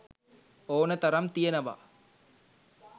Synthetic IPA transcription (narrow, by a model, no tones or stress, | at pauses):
oːnət̪ɐɾɐmt̪ijənɐʋa̰